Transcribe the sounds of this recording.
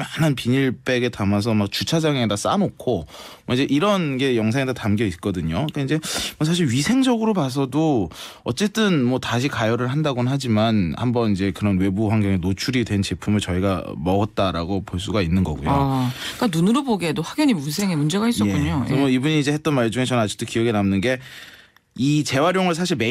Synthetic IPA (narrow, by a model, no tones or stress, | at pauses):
manɯnpiɲiɭp͈e̞ɡe̞tamas̬ʰʌmak̚t͡ɕut͡ɕʰad͡ʑaŋe̞das͈a̰nokʰomʌid͡ʑe̞ʔiɾʌnɡe̞jʌŋsʰaŋedatamɡjʌit̚k͈ʌdɯɲoik͈aind͡ʑe̞ʌsʰaɕ̬ʰiɭɥisʰe̞ŋd͡ʑʌɡɯɾopas̬ʰʌdoʌt͡ɕ͈e̞t͈ɯnmʌtaɕʰikajʌɾɯɭɦandaɡonɯnɦad͡ʑimanhambʌnid͡ʑe̞kɯɾʌnwe̞buɸwaŋɡjʌŋenot͡ɕʰuɾidwe̞nt͡ɕe̞pʰumɯɭt͡ɕʌiɡamʌɡʌt̚t͈aɾa̰ɡopoɭs̬͈uɡainːɯnɡʌ̰ɡujok͈anunɯɾoboɡedoɸwaɡjʌɲimuns̬ʰeŋemund͡ʑe̞ɡaisʌjekkuɲomʌibuɲiːd͡ʑe̞het͈ʌnmaɭd͡ʑuŋe̞t͡ɕʌnad͡ʑi̥k̚t͈ʰokiʌɡenamnɯnɡe̞ | it͡ɕe̞waɾjoŋɯɭsʰaɕʰiɭme